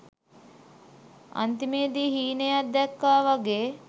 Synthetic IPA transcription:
a̰nt̪imeːd̪iːɦiːnejad̪ɛkːaːʋaɡeː

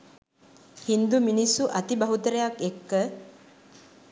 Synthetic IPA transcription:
hind̪uminisuʔɐt̪ibɐɦut̪əɾɐjakekːə

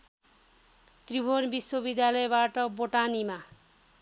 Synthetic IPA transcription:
t̪ribʱonbiswʌbid̪jalʌebaʈʌboʈanima

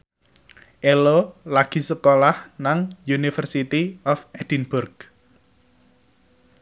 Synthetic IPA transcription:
ʔelolaɡ̥i̤səkolahnaŋjunifərsit̪iɔfɛd̥inbʊrɡ̥

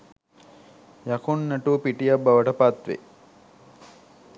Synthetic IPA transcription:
jakunːɐʈupiʈijabːaʋəʈəpat̪ʋḛ

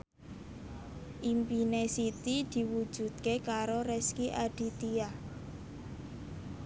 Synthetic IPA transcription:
ʔimpinesit̪id̪̥i̤wu̥ʒ̥ṳd̪̥̚kekaɾoɾɛskiʔaɖ̥i̤t̪ia

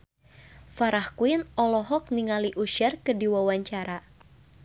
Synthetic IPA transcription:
faɾahkuinɔlɔɦɔk̚niŋaliʔuʃɛrkərdiwawaɲt͡ʃaɾa

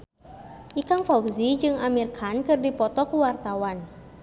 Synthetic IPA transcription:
ʔikaŋfawzid͡ʒɨŋamirkʰankɨrdipɔt̪ɔkuwart̪awan

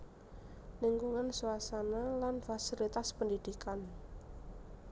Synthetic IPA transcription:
liŋɡuŋansuasanalanfasilit̪aspənd̪id̪̥ikan

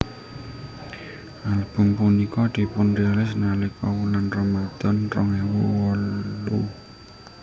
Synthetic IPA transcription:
ʔalb̥ʊ̤mpunikɔd̪̥i̤pʊnrialɪs̬nalɪkɔwulanrɔmad̪̥ɔ̤nrɔŋewuwɔlːu

